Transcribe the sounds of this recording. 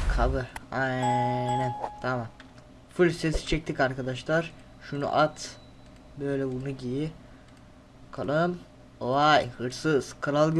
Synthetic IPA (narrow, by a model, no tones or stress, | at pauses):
kʰabɯɾajnænt̪ʰamam | fulʲsesi̥t͡ʃʰɛc̚t̪ʰikaɾkʰad̪aʃlˠaɾ | ʃunṵʔat̪ | bø̞jlʲɛbunuɟibi | kʰalˠɯm | oajhɯɾsɯz̥kʰɯɾalˠɡ